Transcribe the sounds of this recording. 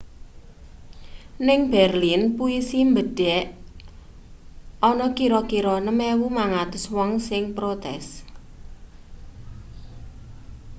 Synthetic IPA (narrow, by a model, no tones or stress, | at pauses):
nɪŋb̥ɛrlinpuisimbəɖ̥ɛʔ | ʔɔnɔkiɾɔkiɾɔnəmɛwumaŋat̪ʊswɔŋsɪŋpɾot̪ɛ̰s